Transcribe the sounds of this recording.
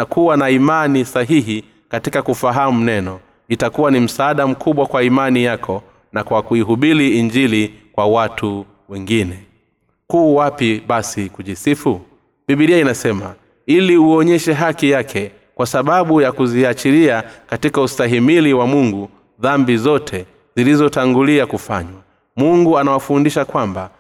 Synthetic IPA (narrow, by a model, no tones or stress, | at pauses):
nakuwanaimanisaɦiɦi | katikakufaɦamunɛnɔ | itakuwanim̩saːɗam̩kʰuɓwakwaimanijakʰɔ | nakwakuiɦuɓiliːɲd͡ʒilikwawatu | wɛŋɡinɛ | kuːwapiɓasikuʄisifu | ɓiɓiɗiainasɛma̰ | iliuɔɲɛʃɛɦakijakʰɛ | kwasaɓaɓujakuziat͡ʃiɾiakatikaustaɦimiliwamuŋɡu | ðambizɔtʰɛ | zilizɔtaŋɡuliakufa̰ɲwa | muŋɡuanawafundiʃakwamba